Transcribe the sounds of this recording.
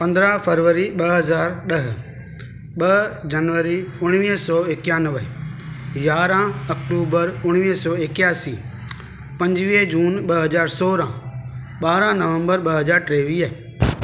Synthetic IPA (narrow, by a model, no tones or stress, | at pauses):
pɐ̃nd̪ɾaːpʰəɾʋəɾiɓɐɦɐzaːɾɗɐɦʊ | ɓɐd͡ʒɐnʋəɾiʊɽ̃ʋiːɦsɔːekjãːnəʋə | jaːɾãɐkʈuːbəɾʊɽ̃ʋiɦsɔːɪkjaːsiː | pɐ̃ɲd͡ʒʋiɦd͡ʒuːnɓɐɦɐzaːɾsɔːɾã | ɓaːɾãːnɐʋə̃mbəɾɓəɦɐzaːɾʈɾeːʋiːaɦe